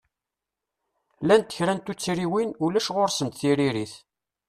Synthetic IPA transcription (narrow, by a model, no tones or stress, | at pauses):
lænt̪ːə̥çɾænt̪ut͡sːɾiwinulæʃʁoɾsəmt̪θiɾiɾiθ